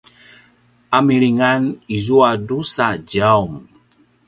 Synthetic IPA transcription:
amiɾiŋanizuadusad͡ʒaum

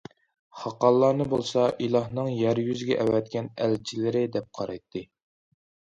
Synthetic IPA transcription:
χɑqɑlˠːɑːnɨbolˠsɑʔilˠɑhnɨŋjæɾjyzɡʲɛʔɛwɛt̪̚kʲɛnælt͡ʃʰilɪɾɪd̪ɛp̚qʰɑɾɑjt̪ʰːɨ

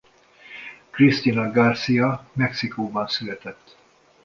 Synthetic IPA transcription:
krist̪inɒɡɒrsijɒmɛksikoːbɒnsylɛt̪ɛt̪ː

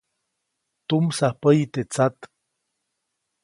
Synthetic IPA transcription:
t̪umsahpəjt̪et͡sat̪

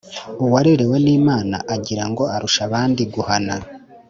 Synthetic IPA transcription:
uwaɾiɾewe̞niːmaːna̰ʔaɟiɾaŋɡo̞aɾuʃaβaːndiɡuhana

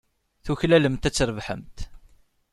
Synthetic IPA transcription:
θuçlæləmt̪æt͡sːɾəvħə̰mt̪

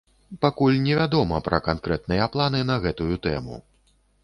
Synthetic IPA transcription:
pakulʲnʲɛvʲad̪ɔmɐpɾɐkankɾɛt̪̚nɨjɐplˠan̪ɨnɐɣɛt̪ujut̪ɛmṵ

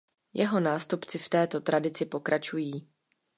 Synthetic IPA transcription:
jʔɛɦo̞naːst̪upt͡sɪft̪ɛːt̪o̞t̪ɾadɪt͡sɪpo̞kɾʔat͡ʃujiː

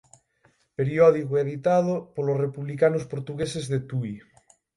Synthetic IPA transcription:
peɾiɔðikoɛðit̪að̞opolosrepuβlikanospoɾt̪uɣesezðet̪ui

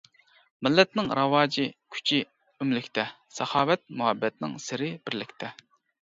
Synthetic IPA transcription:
mɪlːɛt̪nɪŋɾɑwɑːd͡ʒikʲʰy̥t͡ʃʰi | ymlɪkʲt̪ʰɛ | sɑχɑːwɛt̪̚muɦɛbːɛt̪̚nɪ̰ŋsɪɾɪb̥ɪɾlɪkʲt̪ʰɛ

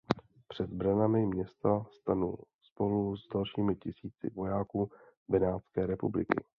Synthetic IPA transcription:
pr̝̥ɛd̪bɾanamɪmɲɛst̪ast̪anṵː | spo̞luzdalʃiːmɪcɪsiːt͡sɪ̰vo̞jaːkuː | bɛnaːt̪skɛːɾɛpublɪkɪ̰

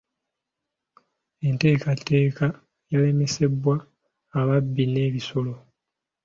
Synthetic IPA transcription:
e̞nte̞ːkatːe̞ːka | jale̞mese̞bwaː | βabːine̞ːβiso̞lo̞

